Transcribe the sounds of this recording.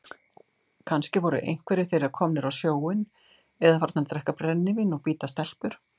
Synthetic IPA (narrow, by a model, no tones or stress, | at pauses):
kʰanscɪvɔɾʏ̰ʔḛjŋ̥kvɛɾɪθejɾɪɾaɾkʰɔːmnɪɾawsjoːwɪn | ɛðafaɾ̥t̪naɾt̪ɾɛhkapɾɛnːɪvinɔɣpiːt̪ast̪ɛl̥pʏɾ̥